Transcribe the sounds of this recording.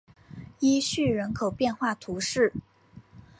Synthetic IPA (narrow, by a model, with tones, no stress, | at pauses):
i˥ɕy˥˩ɻə˧˥nkʰo˨˩ʊpjɛ˥˧nxwa˥˩t̪ʰu˧˥ʂɻ̩˥˩